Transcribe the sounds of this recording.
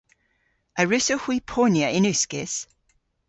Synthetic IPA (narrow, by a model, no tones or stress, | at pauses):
əɹʉsohwipʰoːnjəʔɪnʉˑskɪs